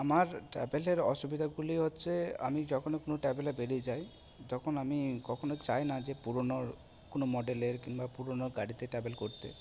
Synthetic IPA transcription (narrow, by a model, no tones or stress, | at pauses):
amaɾʈɛ̰beleɾɔʃubid̪ʱaɡulijɦotːʃʰea̰mid͡ʑɔkʰonekonoʈɛbelabeɾɽied͡ʑaj | d͡ʒɔkʰonamikɔkʰonot͡ɕajnad͡ʑepuɾonoɾ | konomɔɖeleɾkinbapuɾonoɾɡaɽit̪eʈɛbelkoɾt̪ḛ